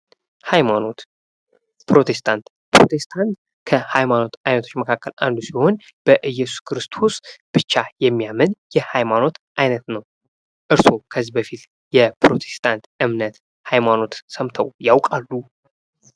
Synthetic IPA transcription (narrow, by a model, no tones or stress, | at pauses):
hajmano̞t̪ | pɾo̞t̪ʰe̞st̪ʰant̪ | pɾo̞̰t̪ʰe̞st̪ʰant̪ | kʰəhajmano̞t̪ajnət̪ʰot͡ʃːməkʰakːəlʔa̰nd̪usiho̞n | b̥əʔɨjɛsu̥skʰɾɨst̪ʰo̞sb̥ɨt͡ʃːajɛmːijamɨnjɛhajmano̞t̪ʔajnət̪nəw | ʔɨɾso̞kʰəzːibəfit̪ | jɛpɾo̞t̪ʰe̞̥st̪ʰant̪ɨmnət̪ | hajmano̞t̪səmt̪ʰəwjawkʼalːu